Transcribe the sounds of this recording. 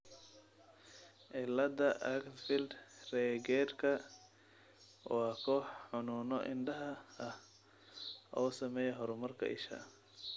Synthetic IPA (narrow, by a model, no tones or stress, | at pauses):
ʔɪlːɐd̪ɐʔɐktfɪld̪rɛːɡɛːrkʰɐ | wɑːkʰɔːħħʊnuːnɔʔɪ̰nɖɐɦɐɐh | ʔɔːsɐmɛːjɛɦɔɾʊmɐrkʰɐ̰ʔɪ̰ʃɐ̰